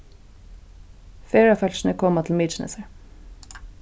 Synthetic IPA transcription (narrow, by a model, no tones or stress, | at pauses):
feːɹɑfœlʃn̩əkʰɔːmɑt̪ʰl̩miːt͡ʃnə̰səɹ